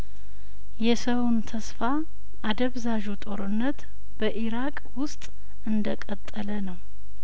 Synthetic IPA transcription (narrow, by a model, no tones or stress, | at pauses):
jɛsəwnt̪ʰəsfa | ʔad̪əβzaʒut̪ʼo̞ɾɨnːət̪ | b̥əʔiɾakʼwʊst̪ʼ | ʔɨnd̪əkʼət̪ʼːələnəw